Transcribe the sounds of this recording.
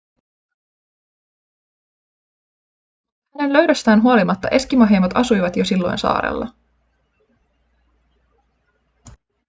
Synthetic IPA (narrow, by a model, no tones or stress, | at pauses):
hæne̞nløɥdøst̪æːnɦuo̞limɑt̪ːɑ̰ʔe̞skimɑɦeːmɑt̪ɑsujʋɑt̪josilːo̞jnsɑ̰ːɾḛlːɑ̰